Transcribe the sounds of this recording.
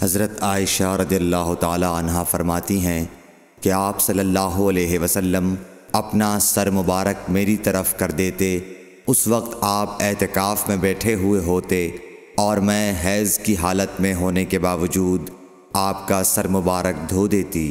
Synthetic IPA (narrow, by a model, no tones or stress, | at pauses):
hɐzɾət̪aːɪʃaɾɐd̪ijəlːaːɦʊt̪aːlaɐnɦafɐɾmaːt̪iɦɛ̃ | keaːpsɐlːəlːaːɦoɐleːɦeʋɐsəlːəm | ɐpnasɐɾmʊbaːɾək̚meːɾit̪ɐɾəfkɐɾd̪eːt̪e | ʊsʋɐq̚t̪aːpɛɦt̪ɪkaːfmẽbɛːʈʰeɦʊeɦoːt̪e | ɔːɾmɛ̃ɦɛːzkiɦaːlət̪mẽɦoːnekebaːʋəd͡ʒuːd̪ | aːp̚kasɐɾmʊbaːɾək̚d̪ʱoːd̪eːt̪iː